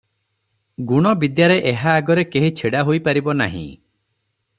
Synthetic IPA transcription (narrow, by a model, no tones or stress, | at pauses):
ɡuɽ̃ɔbid̪jaɾeʔeɦaːɡɔɾekeɦit͡ʃʰeɽaɦojpaɾibɔna̰ɦḭ̃